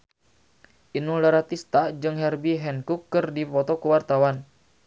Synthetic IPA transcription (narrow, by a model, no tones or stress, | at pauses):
ʔinulaɾat̪ist̪ad͡ʒɨŋɦɛrbiɦɛnkukːɨrdipɔt̪ɔkəwart̪awan